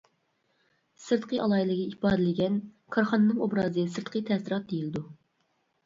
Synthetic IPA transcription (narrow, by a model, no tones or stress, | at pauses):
sɨɾt̪qʰəʔɑlˠɑjilˠɪɡʲɛipɑːd̪ɪlɪɡʲɛn | kʰɑɾχɑnɨnɨŋobɾɑːzɨsɨɾt̪qʰət̪ʰɛsɪɾɑt̪̚d̪ejilɪd̪u